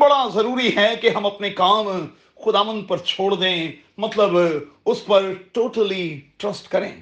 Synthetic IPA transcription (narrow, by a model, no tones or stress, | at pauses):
bɐɽazɐɾuːɾiɦɛkeɦɐ̃mɐpnekaːm | xʊd̪aːʋə̃nd̪̚pɐɾt͡ʃʰoːɽd̪ẽː | mɐt̪ləbʊspɐɾʈoːʈəliʈɾɐsʈkɐɾẽː